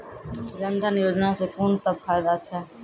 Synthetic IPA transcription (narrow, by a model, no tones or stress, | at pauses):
d͡ʒənd̪ʱənjoːd͡ʒnasẽkoːnsəb̚fʰaːjd̪at͡ʃʰɛ